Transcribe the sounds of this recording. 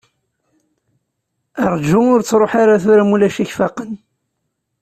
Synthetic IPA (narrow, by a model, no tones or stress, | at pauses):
əɾˤd͡ʒuʊɾt͡sːɾˤoħaɾaθʊɾamulæʃiçfɑqən